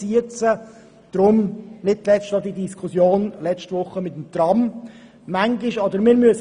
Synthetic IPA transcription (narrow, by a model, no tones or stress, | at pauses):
iət͡sə | d̪̥ɾʊmnɪd̚t̪lɛstɑd̪idiskʰusjoːnlɛt͡ʃtʋʊχːəmɪt̪əm̩t̪rɑmː | æŋɡɪʃɔd̪əɾmɪːɾmyəs